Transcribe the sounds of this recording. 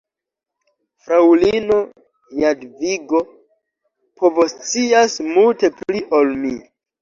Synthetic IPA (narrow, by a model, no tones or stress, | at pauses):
fɾawlino̞ | jadviɡo̞ | pʰovost͡siasmulte̞pliʔolmi